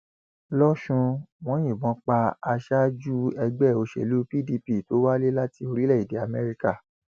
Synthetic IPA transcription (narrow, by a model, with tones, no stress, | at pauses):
lɔ˦ʃũ˧w̃ɔ̃˨˦j̃ĩ˦˨bɔ̃˨˦k͡pa˧a˧ʃa˦d͡ʒu˦ɛ˧ɡ͡bɛ˦˨o˧ʃḛ˨lu˨˦pi˦di˧pi˦˨to˨˦wa˦le˦la˦ti˧o˧ɾi˦lɛ˦˨i˨de˨˦a˧˨mɛ˧ɾi˦ka˦˨